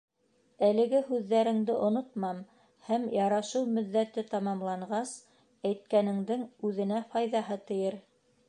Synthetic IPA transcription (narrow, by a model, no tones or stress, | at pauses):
ælɘ̆ɡɘhʉðːæɾɘ̆ŋd̪ɘʔŏnot̪mɑm | hæmjɑɾɑʃɤwmɵ̆ðːæt̪ɘt̪ɑmɑmlˠɑɴɢɑs | æjt̪̚kænɘ̆ŋd̪ɘŋʉðɘ̆næfɑjðɑɦɤt̪ɤ̆jɤɾ